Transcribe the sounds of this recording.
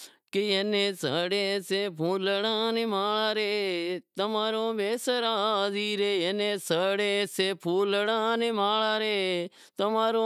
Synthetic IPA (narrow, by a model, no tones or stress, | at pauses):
kejenẽːsəɽeːseːpʰuːləɽãːnɪmaːɭaːɾeːt̪əmaːɾõːbeːsəɾaːziːɾeːjenẽːsəɽeːseːpʰuːləɽãːnɪmaːɭaːɾeː | t̪əmaːɾoː